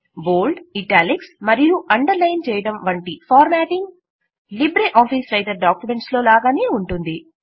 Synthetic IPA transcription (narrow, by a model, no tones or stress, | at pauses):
boːlɖiʈaːliksmɐɾijuʔɐɳɖɐɾlɐjnt͡ʃɛːjɐɽɐmʋɐɳʈipʰaːɾmæːʈiŋɡ | libɾeʔaːpisɾɐjʈɐɾɖaːkjume̞ɳʈslo̞ːlaːɡaːneːuɳʈund̪i